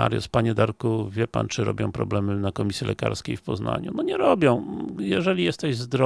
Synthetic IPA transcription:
a̰ɾjɔ̰spaɲɛd̪aɾkuvʲjɛpant͡ʂɘɾɔ̰bʲjɔ̃w̃pɾɔblɛmɘnakɔmʲisʲjɛlʔɛka̰ɾskʲḛjfpɔzna̰ɲunɔɲɛɾɔbʲjɔ̃w̃jɛʐɛlʲijɛst̪ɛʑzd̪ɾɔ

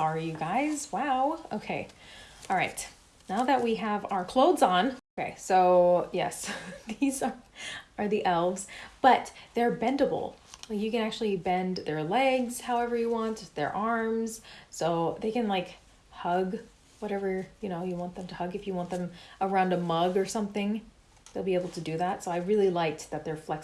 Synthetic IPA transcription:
ɑɹijɨɡaɪz̥waʊo̰ʊkʰeɪʔɑlˠɹaɪt | naʊðɨt̚wiəvaʊə˞kʰl̥oʊdzn̩oʊkʰeɪsoʊjɛ̰sðizə˞ə˞ðiʔɛlˠvz̥b̥ʌt̪̚ðə˞bɛ̃ndəbl̩ˠlaɪkjɨkɨ̃næk̚t͡ʃʉl̩ˠibɛ̃nðə˞lɛɡz̥haʊɛvə˞jɨwɑ̃ntðə̰˞ʔɑɹmz̥soʊðeɪkɨ̃nlaɪk | hʌɡ | wʌɾɛvə˞jɨñoʊjɨwɑ̃nðɨ̃mtʰɨhʌɡɨfjɨwɑ̃nðɨ̃mə˞ãʊ̃ndəmʌɡə˞sʌ̃mθɪ̃ŋ | ðeɪlˠbieɪbl̩ˠtʰɨdɨðætsoʊaɪɹɪlˠilaɪk̚ðɨt̪̚ðə˞flɛk

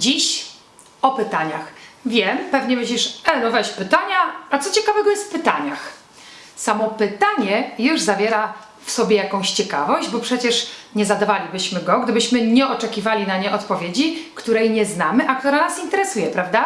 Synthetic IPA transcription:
d͡ʑiɕ | ɔpɘt̪aɲa̰xvʲjɛmpɛvɲɛmɘɕ̬lʲiʂɛnɔvɛɕpɘt̪aɲaat̪sɔt͡ɕɛkavɛɡɔjɛst̪fpɘt̪aɲax | samɔpɘt̪aɲɛjuʐzavʲjɛɾa | fsɔbʲjɛjakɔ̃w̃ɕt͡ɕɛka̰vɔʑd͡ʑbɔpʂɛt͡ɕɛʂɲɛzad̪avalʲibɘɕmɘɡɔɡd̪ɘbɘɕmɘɲɛɔt͡ʂɛkʲivalʲinaɲɛʔɔt̪pɔvʲjed͡ʑikt̪uɾɛjɲɛznamɘʔakt̪uɾanasint̪ɛɾɛsujɛpɾavd̪a

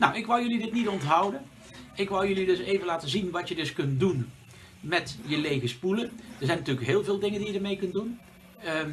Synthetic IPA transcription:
nawɪkʋɑlˠjɵlidɪtnitɔntɦʌwdən | ɪkʋɑlˠjɵlidɵsejvənlaːtəzinʋɑtjədɵskɵnt̚dun | mɛtjəlejɣəspuləndəɹzɛjnɑtyːləkɦɪːlˠveːlˠdɪŋəndijədəɹmejkɵntdun

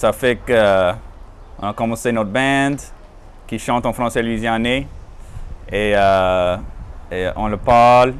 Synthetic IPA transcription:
safɛkə | ɔ̃nakɔ̃mɑ̃senot̪bɛ̃d̪ | kiʃɑ̃t̪ɑ̃fʁɑ̃sɛlɥizjɛ̃ne | eə | eʔɔ̃ləpaʁl

